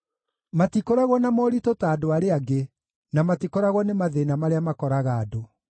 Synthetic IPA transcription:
matikoɾaɣwɔnamɔːɾitotaːdoaɾeaɡe | namatikoɾaɣwɔnemaðenamaɾeamakɔɾaɣaːdo

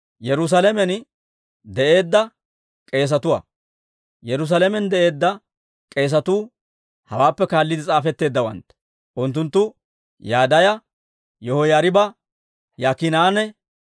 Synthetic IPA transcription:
jɛɾʊs̬alɛmɛn | d̪ɛʔe̞ːd̪ːɐ | kʼe̞ːs̬ɐt̪ʊwɐ̰ | jɛɾʊs̬alɛmɛnd̪ɛʔe̞ːd̪ːɐ | kʼe̞ːs̬ɐt̪uː | hɐ̰waːpːɛkaːlːɪd̪ɪt͡sʼaːfɛt̪ːe̞ːd̪ːɐwɐ̰nt̪ɛ̥ | ʔʊnt̪ːʊnt̪ːʊ | jaːd̪ɐjɐ | jɔhɔjaːɾɪbɐ | jaːkɪnaːnɛ

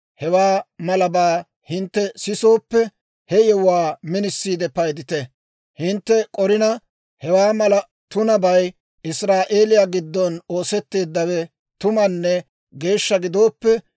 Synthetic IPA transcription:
hɛwaːmɐlɐbaː | hɪnt̪ːɛsɪso̞ːpːɛ | hɛjɛwʊwaːmɪnɪsːiːd̪ɛpɐjd̪ɪt̪ɛ | hɪnt̪ːɛkʼɔɾɪnɐ | hɛwaːmɐlɐ | t̪ʊnɐbɐj | ʔɪsɾaːʔe̞ːlɪjaːɡɪd̪ːɔnoːsɛt̪ːe̞ːd̪ːɐwɛ | t̪ʊmɐnːɛ | ɡe̞ːʃːɐɡɪd̪o̞ːpːɛ

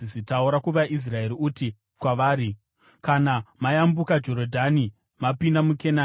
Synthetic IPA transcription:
isitauɾakuʋaʔis̬rae̞ɾiuti | kwaʋaːɾi | kanamajambukad͡ʒo̞ɾodʱani | mapindamuke̞na

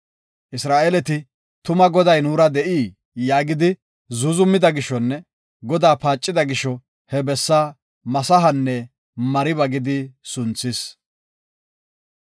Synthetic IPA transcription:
ʔɪsɾaːʔelɛt̪ɪ | t̪ʊmɐɡɔd̪ɐjnuːɾɐd̪ɛʔiː | jaːɡɪd̪ɪ | zʊzʊmːɪd̪ɐɡɪʃːɔnːɛ | ɡɔd̪aːpaːt͡ʃʼːɪd̪ɐɡɪʃːɔ | hɛbɛsːaː | mɐsɐɦɐnːɛ | mɐɾɪβɐɡɪd̪ɪsʊnt͡sːɪs

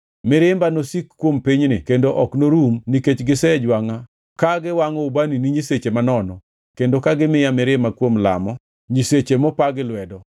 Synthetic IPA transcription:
mɪɾɪmbanosikːwompiɲnɪ̰kendoʔɔknoɾumniket͡ʃɡɪsɛd͡ʒwaŋa | kaɡɪwaŋɔubaniniɲiset͡ʃemanɔnɔ | kendokaɡɪmɪjamɪɾɪmakwomla̰mɔ | ɲiset͡ʃemɔpaɡɪlwɛdɔ

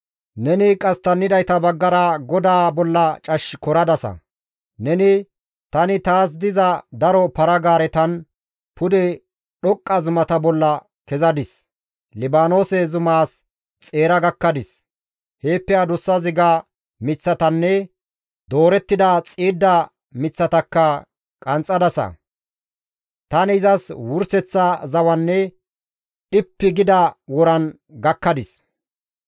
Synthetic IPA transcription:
nɛnɪkʼɐst̪ɐnːɪd̪ɐjt̪ɐbɐɡːɐɾɐɡɔd̪aːbɔlːɐt͡ʃʼɐʃːkɔɾɐd̪ɐsɐ̰ | nɛnɪ | t̪ɐnɪt̪aːs̬d̪ɪzɐd̪ɐɾɔpɐɾɐɡaːɾɛt̪ɐn | pʊd̪ɛ | ɗɔkʼːɐzʊmɐt̪ɐbɔlːɐ | kɛzɐd̪ɪs | lɪbaːno̞ːsɛzʊmaːs | t͡sʼe̞ːɾɐɡɐkːɐd̪ɪs | heːpːɛad̪ʊsːɐzɪɡɐ | mɪt͡sːɐt̪ɐnːɛ | d̪o̞ːɾɛt̪ːɪd̪ɐt͡sʼiːd̪ːɐ | mɪt͡sːɐt̪ɐkːɐ | kʼɐnt͡sʼːɐd̪ɐsɐ̰ | t̪ɐnɪzɐswʊɾsɛt͡sːɐzɐwɐnːɛ | ɗɪpːɪɡɪd̪ɐwɔɾɐn | ɡɐkːɐd̪ɪs

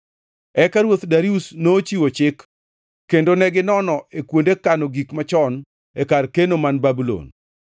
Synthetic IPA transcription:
ɛkaɾwot̪daɾiusnoːt͡ʃiwot͡ʃɪkː | endonɛɡɪnɔnɔʔekwondekanoɡikmat͡ʃɔn | ekarkenomanbabulo̰n

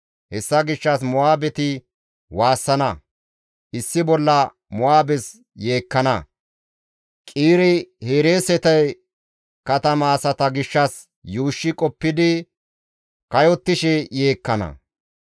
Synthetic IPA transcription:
hɛsːɐɡɪʃːɐs̬mʊaːbɛt̪ɪ | waːsːɐnɐ | ʔɪsːɪbɔlːɐ | mʊaːbɛs | jeːkːɐnɐ | kʼiːɾɪheːɾe̞ːsɛt̪ɐj | kɐt̪ɐmɐːsɐt̪ɐɡɪʃːɐs | juːʃːɪkʼɔpːɪd̪ɪ | kɐjɔt̪ːɪʃɛjeːkːɐnɐ̰

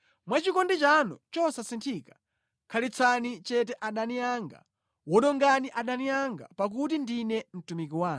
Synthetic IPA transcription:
mwat͡ʃikɔndɛt͡ʃanɔ̰t͡ʃɔsasintʰikḁ | kʰalit͡sʰanit͡ʃɛtɛʔaɗanijaŋɡa̰ | wɔɗɔŋɡaniʔaɗanijaŋɡa̰pak̬ut̬indinɛm̩tumik̬iwaːn

